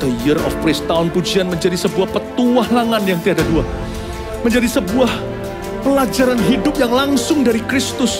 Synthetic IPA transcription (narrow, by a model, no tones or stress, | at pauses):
t̪əlijərɔ̰fpɾɪst̪aʊnpud͡ʒianməɲd͡ʒadisəbuahpət̪uahlaŋanjaŋt̪iadadua | məɲd͡ʒadisəbuah | pəlad͡ʒaɾanɦidʊp̚jaŋlaŋsʊŋdaɾikɾɪst̪ʊs